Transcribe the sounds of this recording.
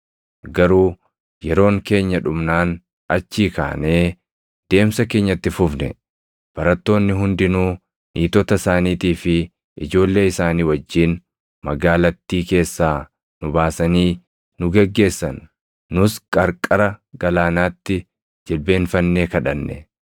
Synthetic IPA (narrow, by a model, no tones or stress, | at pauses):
ɡɐɾuː | jɛɾo̞ːŋke̞ːɲːɐᶑʊmnaːn | ɐt͡ʃːiːka̰ːne̞ː | d̪̥e̞ːmsɐke̞ːɲːɐt̪ːɪfʊfnɛ̰ | b̥ɐɾɐt̪ːo̞ːnːɪɦʊnd̪ɪnuː | niːt̪ɔt̪ɐsaːniːt̪iːfɪ | ʔɪd͡ʒo̞ːlːe̞ːɪsaːniːwɐd͡ʒːiːn | mɐɡaːlɐt̪ːiːke̞ːsːaː | nʊbaːsɐniː | nʊɡɛɡːe̞ːsːɐnː | ʊskʼɐɾkʼɐɾɐɡɐlaːnaːt̪ːɪ | d͡ʒɛlbe̞ːnfɐnːeːkɐᶑɐnːɛ̰